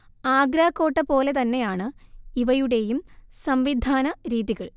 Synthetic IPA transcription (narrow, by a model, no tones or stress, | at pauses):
aːɡɾaːkːo̞ːʈːɐpo̞ːle̞t̪ɐnːe̞jaːɳɨiʋɐjuɽe̞jumsɐmʋid̪ʱaːnɐɾiːðiɣɐɭ